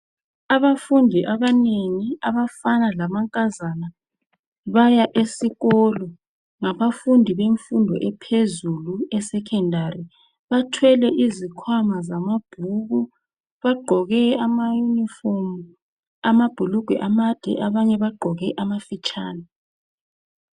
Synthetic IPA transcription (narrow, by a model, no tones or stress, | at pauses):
aβafundʱiʔaβaneŋiaβafanalamaŋkʼazana | βajaʔesiɣɔːlɔ | ŋaβafundʱiβeɱfundʱɔ̰ʔɛpʰezuluɛsɛkʰɛndʱari | βatʰwɛlɛʔizikʰwamazamab̥ʱuɣu | βaɡ͡ǃʱɔɣɛamajunifɔmu | amab̥ʱuluɡ̥ʱwɛ̰ʔamad̥ʱɛ̰ʔaβaɲɛβaɡ͡ǃʱɔɣɛʔamafit͡ʃʼaːna